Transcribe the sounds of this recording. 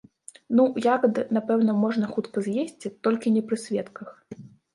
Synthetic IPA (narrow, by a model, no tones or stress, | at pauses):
nujakɐd̪ɨnapɛwn̪ɐmɔʐnɐxut̪kɐzʲjesʲt͡sʲit̪ɔlʲkʲinʲɛpɾɨsʲvʲɛt̪kɐx